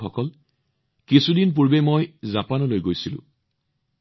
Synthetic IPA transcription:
ɔkɔl | kisudinp̬uɹbemojzapanɔlojɡojsilʊ̰̃

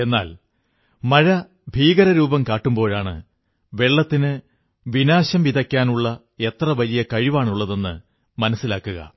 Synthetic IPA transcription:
e̞nːa̰ːl | mɐɻɐ | bʱiːɣɐɾɐɾuːbɐmkaːʈːumbo̞ːɻaːɳɨ̰ | ʋe̞ɭːɐt̪ːinɨ | ʋinaːɕɐmʋid̪ʱɐkʲːaːnuɭːɐ | e̞t̪rɐʋɐlijɐkɐɻiʋaːɳuɭːɐðe̞nːɨ̰ | mɐnɐsːilaːkːuɣɐ̰

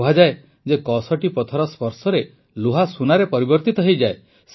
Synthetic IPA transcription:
ɦad͡ʒae | d͡ʒekɔsɔʈipɔt̪ʰɔɾɔspɔɾsɔɾe | luɦasunaɾepɔɾibɔɾt̪it̪ɔɦejd͡ʒae | s

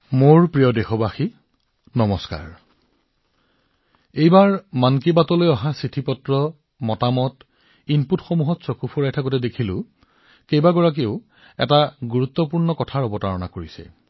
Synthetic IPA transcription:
moɹpɹijɔdexɔbaxi | nɔmɔska̰ɹ | ejbaɹmankibatɔlojɔɦasɹitʰipɔtɹɔ | mɔtamɔt | inputxomuɦɔtsɔkupʰuɹajtʰakutɛdekʰilʊ | kejbaɡɔɹak̬iʊ | ɛ̰taɡuɹut̪ːɔpuɹnɔkɔtʰaɹɔpɔtaɹɔna̰koɹisɛ̰

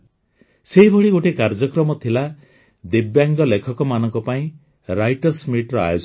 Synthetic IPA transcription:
seɦibʱɔɭiɡoʈekaɾd͡ʒɔkɾɔmɔt̪ʰila | d̪ebjaŋɡɔlekʰɔkɔmanɔŋkɔpaĩ | ɾajʈɔɾsmiʈɾɔa̰jɔd͡ʒ

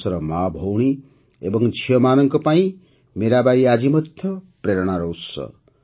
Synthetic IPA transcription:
sɔɾɔmabʱowɽ̃i | ebɔŋd͡ʒʰʱiɔmanɔŋkɔpaĩ | meɾabʱaiad͡ʒimʌt̪jɔpɾeɾɔɽ̃aɾʌusɔ̰

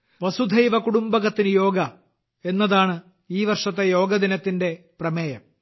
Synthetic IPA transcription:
ʋɐsud̪ʱɐjʋɐkuɽumbɐɣɐt̪ːinɨjo̞ːɡɐ | e̞nːɐðaːɳɨ | iːʋɐrʂɐt̪ːejo̞ːɡɐd̪inɐt̪ːinde̞ | prɐmeːjɐm

